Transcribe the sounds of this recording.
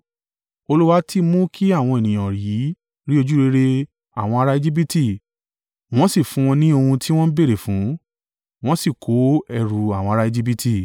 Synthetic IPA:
o˧lu˦wa˦tʰi˦mũ˦kʰi˦a˦˨w̃ɔ̃˧e˨nĩ˨j̃ã˨ɾi˨˦ | ɾi˦o˧d͡ʒu˦ɾe˧˦ɾe˧ | a̰˦˨w̃ɔ̃˧a˧ɾa˦i˧d͡ʒi˦b̬i˦ti˦˨ | w̃ɔ̃˦si˦˨fũ˦w̃ɔ̃˧nĩ˦o˧hũ˧tʰi˦w̃ɔ̃˦n̩˦be˦ɾe˨fũ˨˦ | w̃ɔ̃˦si˦˨kʰo˨˦ɛ˧ɾu˨a˦˨w̃ɔ̃˧a˧a˦i˧d͡ʒi˦b̬i˦tʰi˦˨

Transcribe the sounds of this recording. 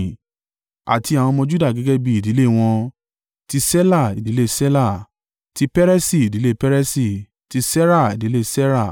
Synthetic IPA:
a̰˨ti˧a˨wɔ̃˧mɔ̃˧d͡ʒu˦da˦˨ɡɛ˨˦ɡɛ˦bi˧i˨di˨˦le˦˨w̃ɔ̃˧ | ti˧sɛ˦la˦˨i˨di˨˦le˦sɛ˦la˦˨ | ti˦pɛ˦ɾɛ˦si˦˨i˨di˨˦le˦˨pɛ˦ɾɛ˦si˦˨ | ti˧sɛ˦ɾa˦˨i˨di˨˦le˦sɛ˦ɾa˦˨

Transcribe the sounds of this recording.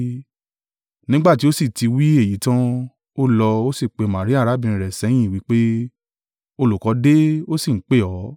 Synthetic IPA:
nĩ˦ɡ͡ba˦˨ti˦o˦si˦˨ti˧wi˦e˦˨ji˨˦tã˦ | o˦lɔ˧o˦si˦˨k͡pe˨˧˨mã˨ɾi˦a˦˨ɾa˨˦bĩ˧˨ĩ˨ɾɛ˨sɛ˨˦j̃ĩ˦˨wi˨˦k͡pe˦ | o˧lu˨kɔ˨˦de˦o˦si˦˨ŋ̩˨˦k͡pe˦˨ɔ˨˦

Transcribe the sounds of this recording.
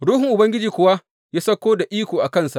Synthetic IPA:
ɽuː˦hɪ˨ŋʔʊ˨bɐ˦ŋɡʲɪ˦d͡ʒiː˨kʷʊ˨wa˦ | jaː˦sɐ˦kʷoː˦da˨ʔiː˦kʷoː˨ʔa˨kɐ˦˨nsa˨ʔ

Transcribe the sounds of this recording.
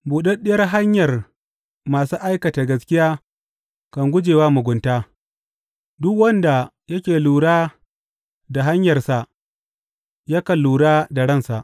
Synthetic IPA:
buː˨ɗɛ˦ɗɪ˦jɐ˦rɦa˦ɲjɐ˨r | maː˨suː˦ʔa˦jkɐ˨ta˨ɡɐ˦skʲɪ˦jaː˦ | kɐ˨ŋɡʷʊ˦d͡ʒeː˨waː˦mʊ˨ɡʷʊ˨ntaː˦ | dʊ˦kwɐ˦nda˨ | jɐ˦kʲeː˨luː˨ɽaː˦ | da˨ɦa˦ɲjɐ˨rsa˨ʔ | ja˦kɐ˨lːuː˨ɽaː˦da˨ɽɐ˦˨nsa˨ʔ

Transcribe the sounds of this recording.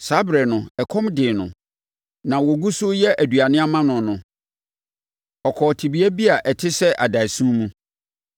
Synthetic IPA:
sa˦bɾɛ˨nʊ̃˨ɛ˨kʰɔ̃˦mdɪ˨nʊ̰̃˨ | nã˨wɔ˨ɡu˦sʊ˦jɛ˦ʔæ˨du˨a˨nɪ̃˦a˦mã˦nʊ̃˨nʊ̃˨ | ɔ˨kʰɔ˨tʰi˨bi˨˦æ˦bi˦a˨ʔɛ˨tʰɪ˦sɛ˦ʔa˨da˨i˨sũ˦mũ˦

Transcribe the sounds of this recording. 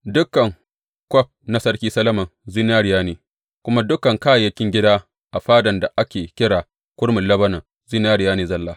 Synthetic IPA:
dʊ˦kːɐ˨ŋ | kʷɔ˦p̚na˦sɐ˦rkʲiː˦sɐ˦lɐ˦mɐ˨nzi˦n˦aː˦ɽɪ˨jaː˦niː˨ | kʷʊ˦ma˦dʊ˦kːɐ˨ŋkaː˦jjɐ˦kʲɪ˦ŋɡʲɪ˦daː˦ | ʔa˨ɸaː˦dɐ˨nda˨ʔa˦kʲeː˨kʲɪ˦ɽaː˨ | kʷʊ˦ɽmʊ˨lɐ˦bɐ˦nɐ˨ | zi˦naː˦ɽɪ˨jaː˦niː˨zɐ˦lːaː˦

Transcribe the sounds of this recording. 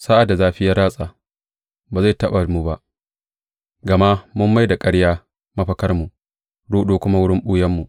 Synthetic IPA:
sa˦ʔa˨da˨zaː˦ɸɪ˦ja˦ɾaː˦sʼaː˨ | baː˨za˦˨jtɐ˦ɓa˨mu˨ba˦ʔ | ɡɐ˨ma˦ʔmʊ˦mːa˦jda˨kʼɐ˦ɽjaː˦ | mɐ˦ɸɐ˦kɐ˦rmu˨ʔ | ɽuː˦ɗoː˦kʷʊ˦ma˦wʊ˦ɽɪ˦mɓʊː˦jɐ˦mːu˨ʔ

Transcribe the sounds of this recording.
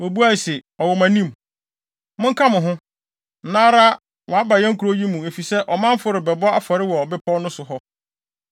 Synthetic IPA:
wɔ˨bu˦a˦˨sɪ˨ɔ˨wɔ˨mã˨nĩ˦m | mʊ̃˦ŋ̩˦kʰa˦mʊ̃˨ɦʊ̃˦ | n̩˨nãː˦ɾa˦ | wɔ˨a˦ba˨jɛ̃˦ŋ̩˦kʰu˨ɾo˦ji˦mũ˨æ˨fi˨sɛ˦ʔɔ˨mã˦m˦fʊ˦ɾɪ˨bɛ˨bɔ˦a˨fɔ˨ɾɪ˦wɔ˨bɪ˦pʰɔ˦nʊ̃˦sʊ˨ɦɔ˦

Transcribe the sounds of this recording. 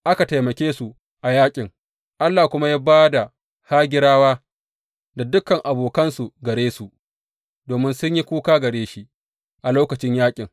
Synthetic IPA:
ʔa˦ka˨ta˨jmɐ˨kʲeː˦su˨ | ʔa˨jaː˦kʲʼɪ˨ŋ | ʔa˦lːaː˨kʷʊ˦ma˦jaː˦baː˦da˨ | haː˦ɡʲɪ˦ɾaː˦waː˦ | da˨dʊ˦kɐ˨ŋʔa˨boː˨kɐ˦nsu˨ɡɐ˨ɽeː˦su˨ʔ | doː˨mɪ˦nsʊ˦ɲji˦kʷuː˦kaː˦ɡɐ˨ɽeː˦ʃi˦ | ʔa˨loː˦kɐ˨t͡ʃɪ˦ɲjaː˦kʲʼɪ˨ŋ

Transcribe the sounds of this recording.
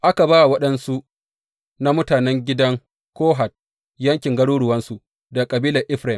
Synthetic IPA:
ʔa˦ka˨baː˦˨wɐ˦ɗɐ˦nsu˦ | na˦mʊ˦taː˨nɛ˦ŋɡʲɪ˦dɐ˦ŋ | koː˦ɦa˨t̚ | jɐ˦ŋkʲɪ˨ŋɡɐ˦ɽuː˦ɽʊ˨wɐ˦nsu˨ | da˨kʼɐ˨biː˦lɐ˨rʔɪ˦ɸɾa˨ɪ˨m

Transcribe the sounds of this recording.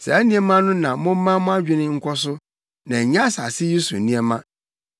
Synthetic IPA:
sɛ̰˨æ˦nĩ˦ɛ˦mã˦nʊ̃˦nã˨mʊ̃˦m̩˦mã˦mʊ̃˦a˦d͡ʑᶣɪ˦nɪ̃˦ŋ̩˦kʷʰɔ˦sʊ˦ | nã˨ɲã˦sa˨sɪ˦ju˦sṵ˨nĩ˦ɛ˦mã˦

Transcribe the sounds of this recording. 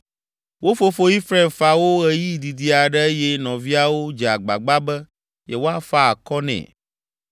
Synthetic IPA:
wo˦fo˦fo˦i˦fɾa˦˨mfa˨wo˦ɣɛ˦ji˦d̪i˨d̪i˨a˨ɖɛ˦jɛ˦nɔ̃˨vi˦a˦wo˦d͡ʒɛ˨a˨ɡ͡ba̰˨ɡ͡ba˦bɛ˦ | jɛ˨wo˦a˦fa˦a˨kɔ˦nɛ̰̃˨

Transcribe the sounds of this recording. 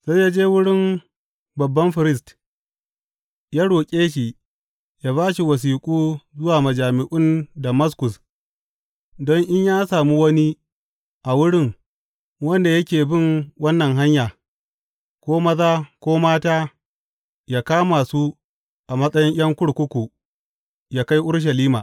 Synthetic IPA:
sa˦jaː˦d͡ʒeː˦wʊ˦ɽɪ˦m | bɐ˨bːɐ˦mɸɪ˨ɾɪ˦st | jaː˦ɽoː˨kʲʼeː˦ʃ̬iː˨ | jaː˦βaː˦ʃi˨wɐ˨s̬iː˨kʷʼuː˦zʊ˦waː˨mɐ˨d͡ʒaː˨mɪ˨ʔʊ˦ndɐ˨mɐ˦skʊ˨s | dɔ˦ŋʔɪ˦ɲjaː˦saː˨mu˦wɐ˦ni˦ | ʔa˨wʊ˦ɽɪ˦˨ŋ | wɐ˦nda˨jɐ˦kʲeː˨bɪ˦˨ŋwɐ˦nːɐ˨ŋɦa˦ɲjaː˨ | kʷoː˦mɐ˦zaː˦kʷoː˦maː˦taː˦ | jaː˦kaː˦ma˨su˦ | ʔa˨mɐ˦sʼɐ˦jɪ˦ɲj̰ɐ˦ŋkʷʊ˦ɽkʷʊ˦kʷu˨ | jaː˦ka˦jʔʊ˦ɽʃ̬ɐ˨liː˦maː˨

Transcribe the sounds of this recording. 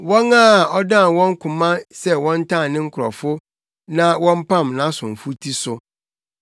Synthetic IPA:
wɔ̃˦ŋã˦˨ɔ˦dã˦˨wɔ̃˦ŋ˦kʰʊ̃˨mã˦sɛ˦wɔ̃˦n̩˦tʰã˦˨nnɪ̃˦ŋ̩˦kʰɾɔ̰˨fʊ˦ | nã˦wɔ̃˦m̩˦pʰã˦˨mnã˦sʊ̃˨m̩˨fu˦tʰi˦sʊ˨

